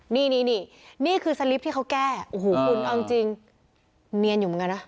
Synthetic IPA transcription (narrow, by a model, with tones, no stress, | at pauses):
niː˥˩niː˥˩niː˥˩niː˥˩kʰɯː˧sa˧li˦˥p̪̚ʰiː˥˩kʰa˦˥wkɛː˥˩ʔo˨huː˨˦kʰu˧nʔa˧wi˧ŋt͡ɕi˧ŋ | ni˧ənju˨˩m˧˦ŋka˧na˦˥˩